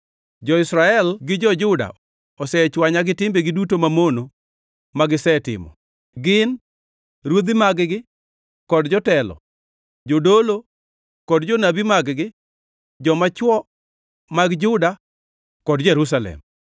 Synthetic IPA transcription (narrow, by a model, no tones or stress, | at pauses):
d͡ʒɔɪsɾaɛlɡɪd͡ʒɔd͡ʒʊda̰ | ɔsɛt͡ʃwaɲaɡɪtɪmbeɡɪdutomamono | maɡɪsɛtɪ̰mɔ̰ | ɡɪn | ɾwod̪imaɡɡɪ | kɔdd͡ʒɔtɛlɔ̰ | d͡ʒodolo | kɔdd͡ʒɔnabimaɡɡɪ | d͡ʒɔmat͡ʃwɔ | maɡd͡ʒʊda | kɔdd͡ʒeɾus̬alɛ̰m